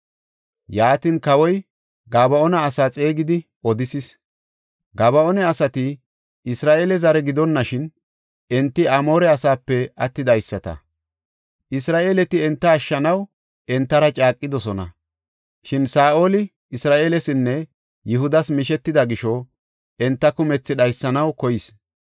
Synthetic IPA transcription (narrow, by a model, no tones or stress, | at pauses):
jaːt̪ɪnkɐwɔj | ɡaːbɐɔnɐːsaːt͡sʼe̞ːɡɪd̪ɪ | ɔd̪ɪsɪs | ɡaːbɐɔnɛɐsɐt̪ɪ | ɪsɾaːʔeːlɛzɐɾɛɡɪd̪ɔnːɐʃɪn | ɛnt̪ːɪʔɐmo̞ːɾɛɐsaːpːɛɐt̪ːɪd̪ɐjsːɐt̪ɐ̰ | ʔɪsɾaːʔe̞ːlɛt̪ɪɛnt̪ːɐːʃːɐnɐw | ɛnt̪ːɐɾɐt͡ʃʼaːkʼːɪd̪ɔsɔnɐ̰ | ʃɪnsaːʔolɪ | ɪsɾaːʔeːlɛsɪnːɛ | jɪɦʊd̪ɐsmɪʃɛt̪ːɪd̪ɐɡɪʃɔ | ɛnt̪ːɐkʊmɛt͡sːɪd̪ɐjsːɐnɐwkɔjɪs